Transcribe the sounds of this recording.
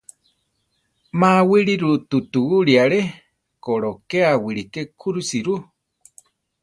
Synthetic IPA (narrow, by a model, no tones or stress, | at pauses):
mãwiɾiɾut̪ut̪uuɺiaɺe | koɾokeawiɾikekʰuɾusiɾu